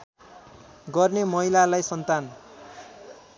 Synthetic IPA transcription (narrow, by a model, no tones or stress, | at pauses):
ɡʌrnemʌɦilalajsʌnt̪an